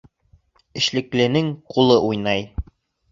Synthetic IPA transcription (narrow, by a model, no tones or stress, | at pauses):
ɘ̆ʃlɘ̆klɘ̆nɘŋqulˠɤʔujnɑj